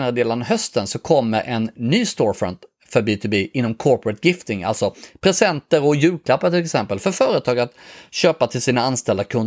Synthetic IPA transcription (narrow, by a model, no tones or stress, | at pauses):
naɾəd̪eːlanɦœst̪ənsɔkʰɔmːə̰ɾʔɛnːyːst̪oːɾfœ̰nt̪ | fœɾbɪt̪ʰʊbiːʔɪnːɔmkʰɔɾpɾət̪ɡɪft̪ɪŋa̰lt̪sɔpʰɾɛsɛnt̪əɾɔjʉ̟ːkʰlapːat̪ʰɪlɛksɛmpəlfœɾfœːɾət̪ʰɑːɡat̪ɕøːpat̪ʰɪlsiːnaanst̪ɛld̪akʰɵnd̪